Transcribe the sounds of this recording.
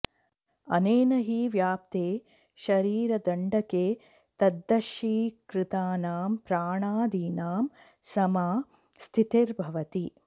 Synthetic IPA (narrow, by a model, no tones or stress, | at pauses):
ɐ̰neːnɐɦiːʋjaːpt̪eː | ʃɐɾiːɾɐd̪ɐɳɖɐkeː | t̪ɐd̪ːɐʃiːkɾɪt̪aːnaːmpɾaːɳaːd̪iːnaːm | sɐmaː | st̪ʰit̪eɾbʱɐʋɐt̪i